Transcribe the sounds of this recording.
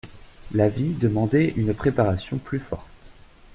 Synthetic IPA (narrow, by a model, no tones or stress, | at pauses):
lavid̪əmɑ̃d̪ɛʔynpχepaʁasjɔ̃plyfɔ̰ʁt̪